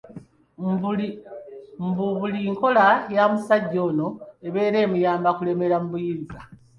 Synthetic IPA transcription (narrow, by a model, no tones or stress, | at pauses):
mbuβuliŋko̞lajamusaɟːo̞ːno̞e̞βe̞ːɾe̞ːmujaːmbakule̞me̞ɾamuβujiːnza